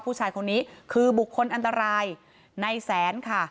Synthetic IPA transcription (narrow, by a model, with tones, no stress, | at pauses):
pʰuː˥˩t͡ɕʰaː˧jkʰo˧nːiː˦˥kʰɯː˧bu˨˩kʰːo˧nʔa˧nt̪a˧ɾaː˧j | na˧jsɛː˩˦nkʰa˥˩